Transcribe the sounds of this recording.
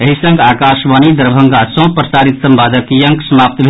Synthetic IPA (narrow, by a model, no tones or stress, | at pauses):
əɦisə̃ŋɡaːkaʃʋanid̪əɾbʱəŋɡasɔ̃pɾəsaɾit̪səmbaːd̪əkjəŋksəmap̚t̪bʱ